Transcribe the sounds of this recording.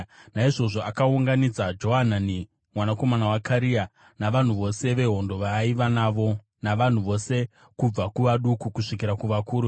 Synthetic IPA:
naiʐo̞ʐo̞akauŋɡanid͡zad͡ʒo̞ɦanani | mwanako̞manawakʰaɾia | naʋan̤uʋo̞se̞ʋe̞ɦo̞ndo̞ʋaiʋanaʋo̞ | naʋan̤uʋo̞se̞ | kub͡vakuʋaɗukukuʂikiɾakuʋakuːɾu

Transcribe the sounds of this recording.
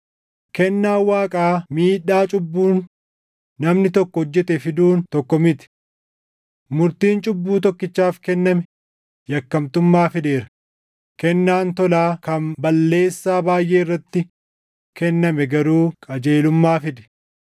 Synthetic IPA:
kɛnːaːwaːkʼaːmiːᶑaːt͡ʃʼʊbːuːnː | ɐmnɪt̪ɔkːɔɔd͡ʒːɛt̪ɛfɪd̪uːnt̪ɔkːɔmɪt̪ɪ̥ | mʊɾt̪iːnt͡ʃʼʊbːuːt̪̬ɔkːɪt͡ʃːaːfkɛnːɐmɛ | jɐkːɐmt̪ʊmːaːfɪd̪e̞ːɾɐ̥ | kɛnːaːnt̪ɔlaːkɐmbɐlːe̞ːsːaːbaːjʔeːɪrːɐt̪ːɪ | kɛnːɐmɛɡɐɾuːkʼɐd͡ʒe̞ːlʊmːaːfɪd̪ɛ̥

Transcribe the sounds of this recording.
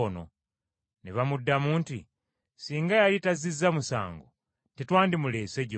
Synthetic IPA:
ono̰ | neβamudːamuːntḭ | siːŋɡajalitazizːamusa̰ːŋɡo̰ | tetwaːndimuleːseɟ

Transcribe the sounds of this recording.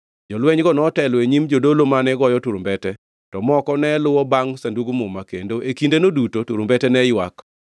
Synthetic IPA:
d͡ʒɔlwɛɲɡɔnɔtɛlweɲimd͡ʒodolomanɛɡɔjɔtuɾombɛtɛ | tɔmɔkɔnɛlʊwɔbaŋsanduɡumʊmakḛndoʔekindenodutotuɾombɛtɛnɛjwa̰k

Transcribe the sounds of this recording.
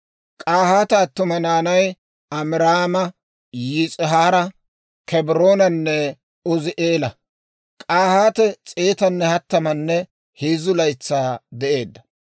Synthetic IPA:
kʼaːhaːt̪ɛɐt̪ːʊmɐnaːnɐj | ɐmɪɾaːmɐ | jɪt͡sʼɪɦaːɾɐ | kʰɛbɪɾoːnɐnːɛ | ɔzɪʔeːlɐ | kʼaːhaːt̪ɛt͡sʼeːt̪ɐnːɛhɐt̪ːɐmɐnːɛ | heːzʊlɐjt͡sːaːd̪ɛʔe̞ːd̪ːɐ̥

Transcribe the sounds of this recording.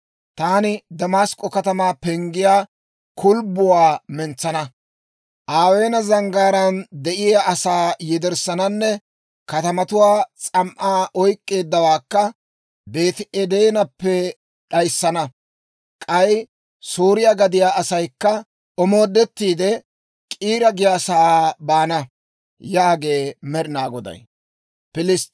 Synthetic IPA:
t̪aːnɪd̪ɐmaːskʼːɔkɐt̪ɐmaːpɛŋɡɪjaː | kʰʊlbʊwaːmɛnt͡sːɐnɐ | ʔaːwe̞ːnɐzɐŋɡaːɾɐnd̪ɛʔɪjaɐsaːjɪd̪ɛɾsɐnɐnːɛ | kɐt̪ɐmɐt̪ʊwaːt͡sʼɐmʔaːʔɔjkʼːe̞ːd̪ːɐwaːkːɐ | be̞ːt̪ɪʔɛd̪ejnɐpːɛ | ᶑɐjsːɐnɐ | kʼɐj | suːɾɪjaɡɐd̪ɪjaːʔɐsɐjkːɐ | ɔmo̞ːd̪ːɛt̪ːiːd̪ɛ | kʼiːɾɐɡɪjasabaːnɐ | jaːɡe̞ːmɛɾɪnaːɡɔd̪ɐ̰j | pɪlɪst̪

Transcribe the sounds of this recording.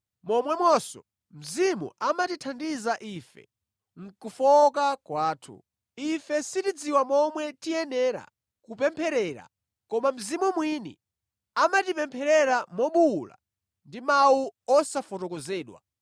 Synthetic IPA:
mɔmwɛmwɔsɔ̰ | m̩zimṵʔamatitʰandizaʔifɛ̰ | ŋ̩kufɔkakwaːtʰṵ | ifɛsitid͡ziwamɔmwɛtijɛnɛɾa̰ | kupɛmpʰɛɾɛɾa̰ | kɔmam̩zimumwinḭ | amatipɛmpʰɛɾɛɾamɔɓula̰ | ndimawuɔsafɔtɔkɔzɛːɗwa̰

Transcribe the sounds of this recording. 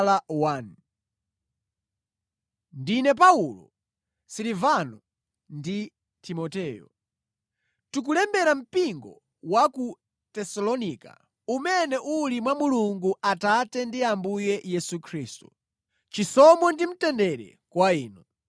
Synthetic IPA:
lawan | ndinɛp̬aulɔ̰ | silivanɔ | ndi | timɔtɛːjɔ̰ | tukulɛmbɛɾam̩piŋɡɔ̰ | waku | tɛsalɔnika̰ | umɛnɛʔulimwamuluŋɡuatatɛndiambujɛjɛsukʰɾiːstu | t͡ʃisɔmɔndim̩tɛndɛɾɛ̰ | kwaiːnɔ

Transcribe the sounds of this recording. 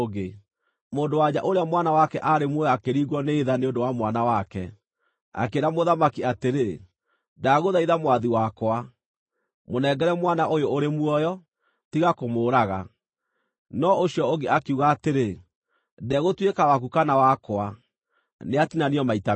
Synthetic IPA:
ɣe | moːndowaɲaʔoɾeamwanawakɛʔaɾemwɔjɔakeɾiɣwɔneːðaneondowamwanawakɛ̰ | a̰keːɾamoðamakiateɾe | daɣoðaiðamwaðiwakwa | monɛːɡɛɾɛmwanaʔojooɾemwɔjɔ | tiɣakomoːɾaɣa | nɔoɕiɔoɡeakiuɣaːteɾe | dɛɣotwekawakukanawakoa | neatinaniɔmaita

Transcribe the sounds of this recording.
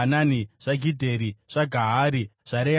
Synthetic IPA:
ananiʐ̥aɡʱidʱeɾiʐ̥aɡʱaɦaɾiʐ̥aɾe

